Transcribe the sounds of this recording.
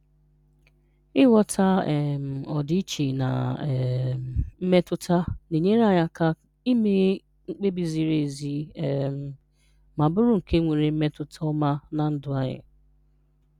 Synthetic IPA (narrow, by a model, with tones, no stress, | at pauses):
ɪ˦wɔ˦tʰa˦ɛ˨m̩˨ɔ˨di˦t͡ʃi˨na̰˨ | m̩˦me˦tʊ˦ta˦ne˨ɲe˦ɾa˦˨ɲa˦ka˦ | i˦me˦ | ŋ̩˦k͡pe˦bi˨zi˨ɾe˨zi˦˨m̩˨ | ma˨bʊ˦ɾʊ˦ŋ̩˨ke˦ŋʷe˨ɾe˨m̩˦me˦tʊ˦tʰa˦ɔ˦ma˦na˨n̩˦dʊ˨a˨ɲɪ̰˨